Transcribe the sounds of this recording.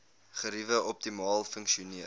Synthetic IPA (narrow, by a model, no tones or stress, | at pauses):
χəɾivəʔɔp̚timɑːlˠfəŋkʃiuniə